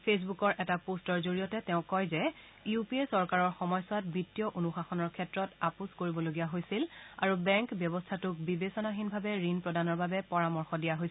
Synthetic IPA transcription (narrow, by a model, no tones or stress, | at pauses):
pʰes̬bukɔɹʔɛtapostɔɹzoɹijɔtɛtɛʊ̃kɔjzɛ | iupiesɔɹkaɹɔɹxɔmɔjswat̚bitːijɔʔonuxaxɔnɔɹkʰɛtɹɔtapuskoɹibɔloɡijaɦojsilaɹubɛŋkbjɔbɔstʰatʊk̚bibesɔnaxinbʱabɛɹinpɹɔdanɔɹbabɛpɔɹamɔɹxɔdijaɦojs